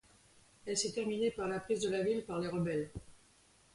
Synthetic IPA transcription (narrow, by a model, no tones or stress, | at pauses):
ɛlsɛt̪ɛʁminepaʁlapχizd̪əlavilpaʁleʁəbɛl